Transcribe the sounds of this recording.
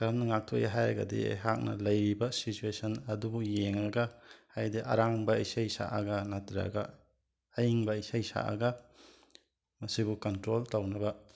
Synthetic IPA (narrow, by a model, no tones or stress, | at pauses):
kaɾɐmnɐŋak̚tʰojaɦajɾɐɡɐ̰dḭɦak̚nɐ̰lɐjɾibɐsituesʰɐnɐdubujeŋɾɐɡɐhajdeʔɐ̰ɾaŋbɐɐjsajsa̰ʔɐ̰ɡɐnatɾa̰ɡɐː | jiŋbɐɐjsajsa̰ʔa̰ɡɐ | mɐsibukɐntɾoltawnɐbɐ